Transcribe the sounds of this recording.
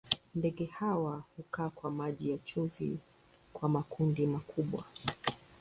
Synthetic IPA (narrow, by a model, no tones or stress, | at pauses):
ndɛɠɛhawahukaːkwamaʄijat͡ʃuvḭ | kwamakundimakʰuɓwa̰